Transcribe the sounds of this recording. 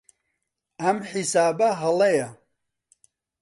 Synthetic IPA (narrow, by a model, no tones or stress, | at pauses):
ɐmħisaːbɐɦɐlɐjɐ